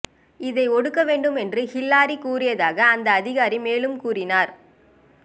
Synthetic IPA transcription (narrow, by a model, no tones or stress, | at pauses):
ɪðɐɪɔɽɯkːɐʋeːɳɖɯmɛndrɯhɪlːaːɾikuːrɪjɐðaːɣɐːnd̪ɐːðɪɣaːɾimeːlɯmkuːrɪnaːɾ